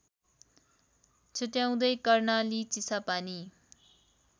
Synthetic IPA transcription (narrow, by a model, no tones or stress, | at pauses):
t͡sʰuʈjaw̃d̪ʌjkʌrnalit͡sisapani